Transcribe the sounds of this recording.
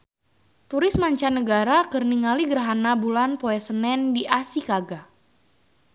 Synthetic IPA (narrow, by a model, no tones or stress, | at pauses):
t̪uɾɪsmaɲt͡ʃanːəɡaɾakərniŋaliɡəɾɦanabulanpoɛsənɛndiʔasikaɡa